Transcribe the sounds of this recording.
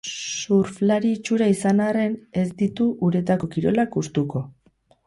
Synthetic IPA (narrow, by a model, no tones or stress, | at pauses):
suɾflaɾiːt͡ʃuɾaisanare̞ne̞zd̪it̪uʔuɾe̞t̪ako̞kiɾo̞̰lakust̪uko̞